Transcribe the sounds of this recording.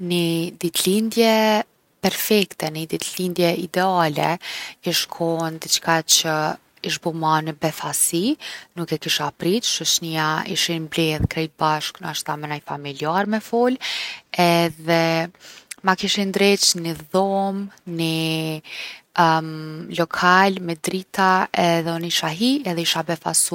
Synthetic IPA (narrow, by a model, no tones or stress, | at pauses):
nid̪it̪lind̪jɛ | pɛɾfɛkt̪ɛnid̪it̪lind̪jɛid̪ɛalɛiʃkʰɔnd̪it͡ʃkat͡ʃə | iʃ̬bɔmanəbɛθasinukɛkiʃapɾit͡ʃʃət͡ʃniaḭʃinblɛðkɾɛjt̪̚baʃknaʃt̪amɛnajfamiliaɾmɛfɔlɛðɛ | makiʃind̪ɾɛt͡ʃniðɔmni | lɔkʰalmɛd̪ɾit̪ʰaɛðɛɔniʃaɦiɛðɛiʃabɛfa̰su